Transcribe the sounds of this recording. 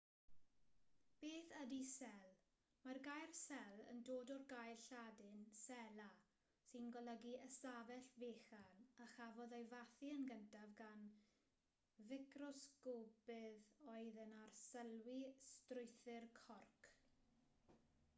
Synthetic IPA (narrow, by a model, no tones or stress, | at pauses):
b̥eːθədisɛlˠ | marɡajrsɛlˠə̰ndoːdɔrɡajrɬadɪnsɛla | sɨnɡɔlˠəɡiʔəsavɛɬveːχanaχavɔðejvaθiənɡəntʰavɡan | vɪkʰrɔskobɪðɔɨðənarsəlwistrʊɨθɪrkʰɔrkʰ